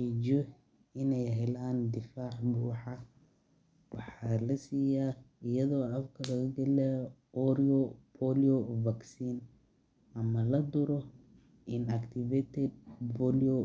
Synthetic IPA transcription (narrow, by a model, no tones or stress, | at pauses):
iːd͡ʒɔ | ɪnɛjɦɛlaːnd̪ɪfaːʕbuːħɑ | wɑħɑːlɐsiːjaːɪjɐðɔːɐfkʰɐlɐɣɐɡɛlɛ | ɔɾiɔpʰɔliɔvɐksiːn | ʔɐmɐlɐd̪ʊɾɔ | ʔɪnɐkt̪ʰɪvɛt̪ʰɛd̪̚pɔliɔ